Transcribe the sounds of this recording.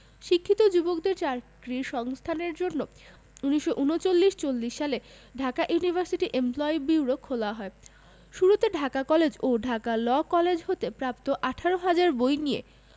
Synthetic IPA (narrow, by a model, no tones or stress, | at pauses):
ʃikʰːit̪od͡ʑubok̚d̪eɾt͡ɕaɾkɾiɾʃɔŋst̪ʰaneɾd͡ʑonːo | uniʃːoʔunot͡ɕolːiʃt͡ɕolːiʃːale | ɖʱakaʔjunibʱaɾsiʈiʔemplɔibiwɾokʰːolaɦɔe | ʃuɾut̪eɖʱakakɔled͡ʑoɖʱakalɔkɔled͡ʑɦot̪epɾapt̪oʔaʈʰaɾoɦad͡ʑaɾbojniḛ